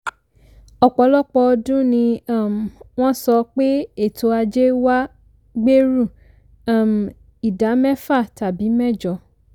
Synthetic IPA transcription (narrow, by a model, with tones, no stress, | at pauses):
ɔ˨k͡pɔ˨˦lɔ˦k͡pɔ˧dũ˦nĩ˧a˦˨m˨w̃ɔ̃˦sɔ˧k͡pe˦e˦˨to˧˦a˧d͡ʒe˦wa˦ | ɡ͡be˦ɾu˦˨ | a˦˨m˨ | i˨da˨˦mɛ̃˦fa˦˨ta˨bi˨˦mɛ̃˦˨d͡ʒɔ˧